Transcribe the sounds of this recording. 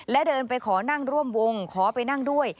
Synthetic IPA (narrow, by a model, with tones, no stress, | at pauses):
lɛ˦˥dɤː˧npa˧jkʰɔː˩˦na˥˩ŋɾu˥˩əmwo˧ŋkʰɔː˩˦pa˧jna˥˩ŋdu˥˩əj